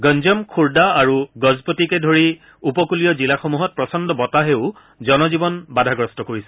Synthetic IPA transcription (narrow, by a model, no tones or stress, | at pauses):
ɡɔnzɔmkʰuɹdaaɹuɡɔzpotikɛdʱoɹi | upɔkulijɔzilaxomuɦɔt̚pɹɔsɔndɔbɔtaɦeʊ | zɔnɔzibɔnbadʱaɡɹɔstɔkoɹisɛ̥